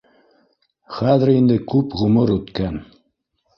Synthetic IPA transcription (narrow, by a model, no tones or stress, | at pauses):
χæðɘ̆ɾind̪ɘkʉpʁɵ̆mɤɾʉt̪kæn